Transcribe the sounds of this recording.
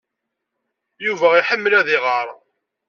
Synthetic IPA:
juvæiħəmːəlæðɪʁəɾˤ

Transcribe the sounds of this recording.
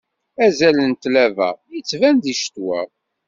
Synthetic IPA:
æzælənt̪lævæ̰jət͡sːvænd̪iʃt̪wæ̰

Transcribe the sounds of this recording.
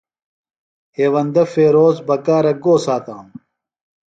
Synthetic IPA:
heːwɐnd̪ɐfeːɾoːzbɐkaːɾɐɡoːsaːt̪aːm

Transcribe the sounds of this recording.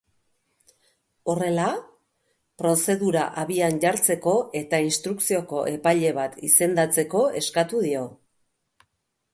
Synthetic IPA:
o̞re̞la | pɾo̞se̞ðuɾaʔaβianʝaɾt͡se̞ko̞e̞t̪ainst̪ɾuksio̞ko̞ʔe̞paʎe̞β̞at̪ise̞nd̪at͡se̞ko̞e̞skat̪uðio̞

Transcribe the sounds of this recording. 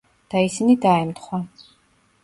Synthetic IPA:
d̪̥aisinid̪aɛmt̪χwa

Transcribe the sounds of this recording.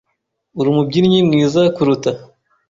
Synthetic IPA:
uɾumub̚ɟiɾɲimŋiːzakuɾuta

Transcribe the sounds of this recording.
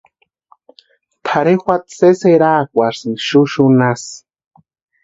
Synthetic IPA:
t̪ʰaɾexʷat̪seseɾaːkʷasɨʃuʃunas

